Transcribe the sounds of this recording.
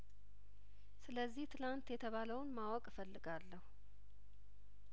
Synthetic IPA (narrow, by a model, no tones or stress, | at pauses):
sɨləzːiht̪ʰɨlant̪jɛt̪ʰəβaləwnmawɔkʼfəlːɨɡalːəhu